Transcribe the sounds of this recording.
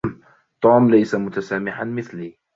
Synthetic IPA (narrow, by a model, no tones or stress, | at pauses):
t̪ˤuːmlajsamʊt̪asaːmɪħanmɪθliː